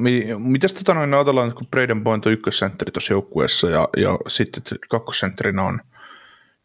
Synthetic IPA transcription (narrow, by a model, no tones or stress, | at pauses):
mimit̪æst̪æt̪ɑnoinøɑːt̪elːɑːnet̪kupreidempoint̪oykːøssent̪ːrit̪osjoukːuḛˑsːɑjɑ̰jɑ̰sit̪ːet̪kɑkːo̥ssent̪rinon